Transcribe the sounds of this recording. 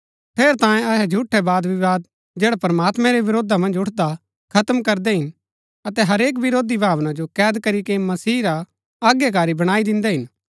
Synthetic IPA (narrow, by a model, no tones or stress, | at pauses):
pʰeːɾt̪ãːjẽɐɦɛd͡ʒʱuʈʰːɛbaːd̪ʋɪʋaːd̪̚ | d͡ʒeːɽapɾmaːt̪mɛ̃ɾeʋɪɾoːd̪ʱamɐ̃nd͡ʒʊʈʰd̪a | kʰɐt̪mkɐɾd̪ɛɦɪn | ɐt̪ɛɦɐɾeːk̬ʋɪɾoːd̪ibʱaːʋnãd͡ʒokɛːd̪kɐɾikemɐsiːɾa | aːɡjek̬aːɾibɐɽ̃aːid̪ɪ̃nd̪ɛɦɪn